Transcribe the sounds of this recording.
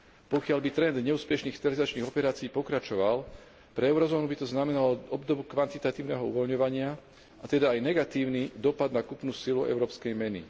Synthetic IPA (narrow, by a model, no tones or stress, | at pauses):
pɔkɪalbit̪ɾɛnd̪ɲɛuːspɛʃniːxst̪ɛɾalizat͡ʃniːɣɔpɛɾaːt͡siːpɔkɾat͡ʃɔʋal | pɾɛɛʊɾɔzɔːnubit̪ɔznamɛnalɔʔɔbd̪ɔbukʋant̪it̪at̪iːʊnɛɦɔṵʋɔlɲɔʋaɲɪa | at̪ɛd̪aːjnɛɡat̪iːʊnid̪ɔpad̪nakupnuːsiluɛ̰ʊɾɔːpskɛjmɛnḭ